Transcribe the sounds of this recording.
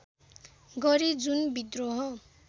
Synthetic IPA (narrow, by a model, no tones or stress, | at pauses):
ɡʌɾid͡zunbid̪roɦʌ